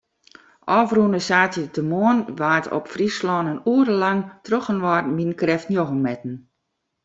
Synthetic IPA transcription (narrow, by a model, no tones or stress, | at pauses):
ʔɔːfrunəsaːtjətəmoənʋaːtʰɔ̰pfrislɔːnənuəɾəlaŋtroxənʋɔrminkrɛftnjoɣəmːɛtn̩